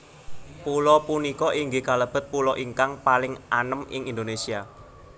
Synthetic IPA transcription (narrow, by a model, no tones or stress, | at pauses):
pulɔpunikɔʔiŋɡɪkaləb̥ə̤t̪̚pulɔʔiŋkaŋpalɪŋʔanəmɪ̰ŋind̪onesia